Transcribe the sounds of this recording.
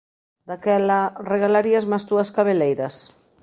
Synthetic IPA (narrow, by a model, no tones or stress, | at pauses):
d̪akɛlareɣalaɾiazmast̪uɐskaβ̞elejɾɐs